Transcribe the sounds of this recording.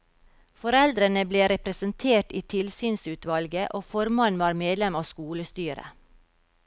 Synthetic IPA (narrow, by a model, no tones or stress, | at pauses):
fɔɾɛld̪ɾənəbleːɾɛpɾəsənt̪ʰeːʈiːt̪ʰɪlsyːnsʉːt̪ʰʋɑlɡəʔoːfɔɾmɑnʋɑːɾmeːd̪lɛmɑːskuːləst̪yːɾə̰